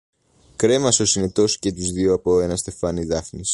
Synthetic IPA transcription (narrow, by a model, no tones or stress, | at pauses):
kɾe̞mɐso̞sine̞t̪o̞si̥ce̞t̪uzðioɐpo̞e̞nɐst̪e̞fɐniðɐfnis